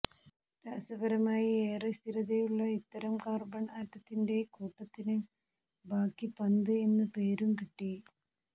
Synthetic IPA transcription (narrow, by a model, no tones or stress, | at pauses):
ɾaːsɐbɐɾɐmaːjieːrest̪ʰiɾɐðejuɭːɐit̪ːɐɾɐmkaːrbɐɳaːtːɐt̪ːinde̞kuːʈːɐt̪ːinɨ | bʱaːkːipɐnd̪ɨe̞nːɨpe̞ːɾumkiʈːi